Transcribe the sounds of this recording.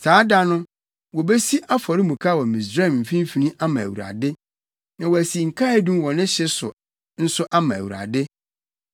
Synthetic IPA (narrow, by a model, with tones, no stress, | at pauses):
saː˨˦da˦nʊ̃˦ | wɔ˨be˦si˦ʔa˦fɔ˨ɾɪ˦mũ˨kʰa˦˨wɔ˨mĩ˨sɾa˦ɛ˨m̩˨fĩ˦m˦fi˨nĩ˦ʔa˦mã˨æ̰˨wṵ˨ɾa̰˨dɪ˦ | nã˨wɔ˨æ˨si˨ŋ̩˨kʰa˦dũ˦mwɔ̃˨nɪ̃˦ɕɪ˦sʊ̰˨ | n̩˦sʊ˦ʔa˦mã˨æ̰˨wu˨ɾa̰˨dɪ˦